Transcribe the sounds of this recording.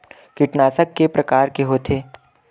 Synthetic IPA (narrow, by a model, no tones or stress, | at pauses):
kɪʈnaːsəkːepɾɐkaːɾkeɦoːt̪ʰeː